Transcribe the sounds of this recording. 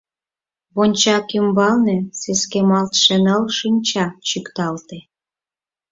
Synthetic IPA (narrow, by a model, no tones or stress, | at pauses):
βonʲt͡ɕɑkymbɑlneseskemɑlt̪ʃə̆nəlʃinʲt͡ɕɑt͡ɕykt̪ɑlt̪e